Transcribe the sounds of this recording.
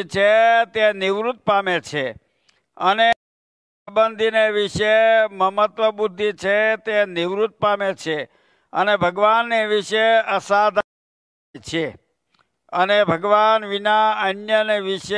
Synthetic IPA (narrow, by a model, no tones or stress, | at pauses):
t͡ʃʰet̪enɪʋɾut̪̚pamet͡ʃʰe | əne | bənd̪ʱineʋiʃeməmət̪ʋəbud̪ʱːit͡ʃʰet̪enɪʋɾut̪̚pamet͡ʃʰe | ənebʱəɡʋanːeʋiʃeəsad̪ʱ | t͡ʃʰe | ənebʱəɡʋanʋinaənjəneʋiʃe